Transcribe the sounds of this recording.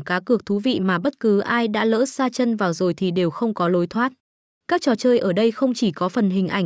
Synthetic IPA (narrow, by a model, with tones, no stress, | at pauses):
kaː˨˦kɨ˨˩ək̚t̪ʰu˨˦vḭ˧˨maː˨˩ɓə˦˥t̚kɨ˨˦ʔaː˧jɗa̰ː˧˥lə̰ː˧˥z̥aː˧t͡ɕə˧nvaː˨˩wzo˨˩jt̪ʰi˨˩ɗe˨˩wxə˧wŋ͡mkɔ˨˦lo˨˦jt̪ʰwaː˦˥t̚ | kaː˦˥k̚t͡ɕɔ˨˩t͡ɕəː˧jʔəː˧˩ɗə˧jxə˧wŋ͡mt͡ɕi˧˩kɔ˨˦fə˨˩nɦï˨˩ŋ̟ʔa˧˩jŋ